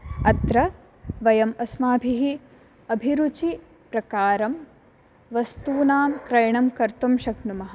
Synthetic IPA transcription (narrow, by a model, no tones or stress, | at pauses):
ɐt̪ɾɐ | ʋɐjɐmɐsmaːbʱiɦi | ɐbʱiɾut͡ʃi | pɾɐkaːɾɐm | ʋɐst̪uːnaːmkɾɐjɳɐmkɐɾt̪umʃɐknumɐɦɐ